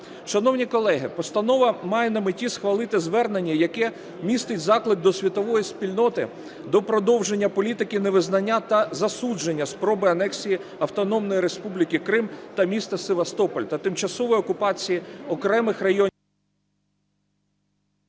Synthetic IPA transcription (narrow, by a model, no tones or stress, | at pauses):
ʃɐnɔwnʲikɔlˠɛɦɪpɔst̪ɐnɔʋɐmɑjɛnɐmɪtʲisxʋɐlˠɪt̪ɪzʋɛrne̞nʲːɐjɐkɛ | mʲist̪ɪtʲzɑklˠɪk̚d̪ɔsʲʋʲit̪ɔʋɔjispʲilʲnɔt̪ɪ | d̪ɔpɾɔd̪ɔwʒenʲːɐpɔlʲit̪ɪkʲɪneʋɪznɐnʲːat̪ɐzɐsud͡ʒenʲːɐspɾɔbɪɐnɛksʲiji | ɐwt̪ɔnɔmnɔjiɾe̞spublʲikɪkɾɪmt̪ɐmʲist̪ɐseʋɐst̪ɔpɔlʲt̪ɐt̪ɪmt͡ʃɐsɔʋɔjɔkʊpɑt͡sʲijiɔkɾɛmɪxrɐjɔ